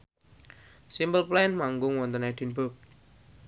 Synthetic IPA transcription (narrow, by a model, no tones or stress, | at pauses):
simbəlplanmaŋɡʊŋwɔnt̪əned̪̥i̤nbʊk̚